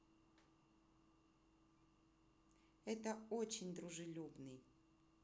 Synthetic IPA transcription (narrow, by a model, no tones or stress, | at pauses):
ɛt̪əot͡ɕɪnʲd̪ɾʊʐɨlʲubnɨj